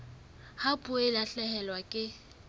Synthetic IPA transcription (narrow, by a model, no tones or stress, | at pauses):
hapʼʊelaɬɛhɛlwakʼɪ